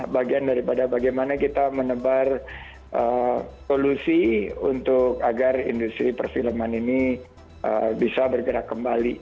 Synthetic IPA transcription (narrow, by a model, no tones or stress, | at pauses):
baɡiandaɾipadabaɡajmanakit̪amənəbar | ʔəsolusiṵnt̪ʊkaɡarḭndust̪ɾipərfiləmanini | ʔə̰bisabərɡəɾakːəmbali